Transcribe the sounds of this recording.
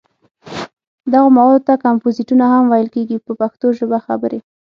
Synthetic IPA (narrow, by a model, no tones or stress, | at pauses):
d̪aɣomawɑlot̪akampoziʈunahamwajəlkeɡipəpaxt̪oʒəbaxa̰bəɾe